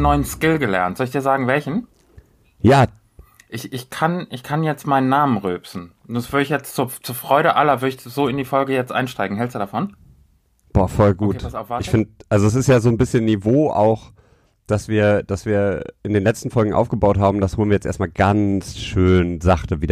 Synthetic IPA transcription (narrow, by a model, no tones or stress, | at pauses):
nːɔʏənskɪlɡəlɛ̰ɐntz̥ɔlɪçd̥iːɐzaːɡŋ̩vɛlçn̩ | jaː | ʔɪçɪçkʰanʔɪçkʰanjɛt͡stmaɪnənːaːmənʁøːpsn̩ː | sv̥ʏɐɾəɪçjɛt͡stt͡suːɐt͡suːɐfʁ̥ɔʏɾəʔalɐvʏɐəɪçz̥oːɪndiːfɔlɡəjɛt͡stʔa̰ɪnʃtaɪɡŋ̩ɦɛlstd̥uːdafɔn | b̥ɔːɐfɔlɡuːtasaʊfvaɪçffɪndəʔalzoɛs̬ɪstjaːzoːnbɪsçənːivoːʔa̰ʊx | d̥asv̥iːɐd̥asv̥iːɐʔɪndeːnlɛt͡stn̩fɔlɡŋ̩ʔa̰ʊfɡ̥əbaʊtɦaːbm̩dashuːlnviɐjɛt͡stʔḛːɐstmaːlɡant͡sʃøːnzaχtəviːdɐ